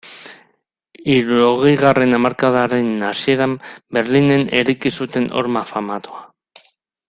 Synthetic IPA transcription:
iɾuɾoɣ̞e̞jɣare̞namaɾkaðaɾe̞nasie̞ɾambe̞ɾline̞ne̞ɾejkisut̪e̞no̞̰ɾmafamat̪oa

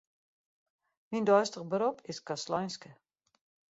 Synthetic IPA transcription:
mindɔjstəɣbəɾopʰɪskaslɔjnskə

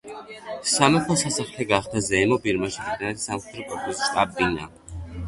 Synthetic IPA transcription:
samɛtʰɔsasaχlɛɡaχd̪azɛmɔbiɾmaʃiid̪anɛt̪samχɛd̪ɾɔkʼɔɾt̪ʰʼusʃt̪ʼabina̰

